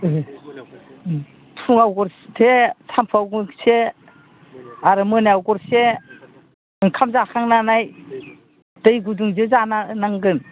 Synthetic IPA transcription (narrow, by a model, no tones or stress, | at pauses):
tʰuŋawɡɔɾtʰesʰampʰawɡuse | aɾɯmɯnaawɡɔɾse | ɯŋkʰamzakʰaŋnanaj | dɯjɡuduŋzɯzananaŋɡɯn